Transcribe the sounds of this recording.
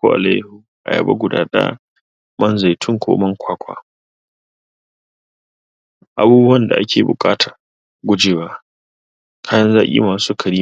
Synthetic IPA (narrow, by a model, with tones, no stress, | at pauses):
kʷo˦ʔa̰˨la̰˦jhu˨ | ʔa̰˨jɐ̰˨bɐ̰˦ɡʷʊ˨da̰ː˦ɗɐ̰˦ | mɐ˦nza˨jtʰʊ˦ŋkʰʷo̰ː˦mɐ˦ŋkʷʰaː˦kʷʰa̰ː˦ | ʔa˨buː˦bu˦wɐ˦nda̰˨ʔa˦kʲʰeː˨bʊ̰˨kʼaː˦tʰa˨ | ɡʷʊ˦d͡ʒeː˨waː˦ | kʰaː˦jɐ˦nzaː˦kʲʼḭː˦maː˨suː˦kʰɐ˨ɽiː˦